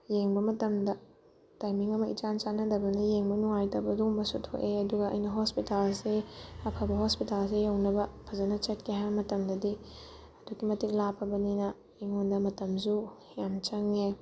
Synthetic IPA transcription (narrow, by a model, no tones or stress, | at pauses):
jeŋbɐmɐtɐmdɐ | tajmiŋɐmɐʔit͡ʃant͡ʃanɐdɐbɐnɐjeŋbɐnuŋajtɐbɐdombɐsutʰo̰ʔeɐduɡɐɐ̰jnɐɦospitalseɐpʰɐbɐɦospitals̬ejɐwnɐbɐpʰɐzɐnɐt͡ʃɐtkʰeɦajbɐmɐtɐmdɐdi | ɐdukːimɐtik̚lapʰːɐbɐninɐ | eŋondɐmɐtɐmsu | jamt͡ʃɐŋe